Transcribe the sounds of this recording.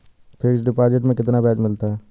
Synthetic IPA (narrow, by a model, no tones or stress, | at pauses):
pʰeːksɖɪpaːd͡ʒeʈmẽkɪt̪nabɛːd͡ʒmɪlt̪aɦɛː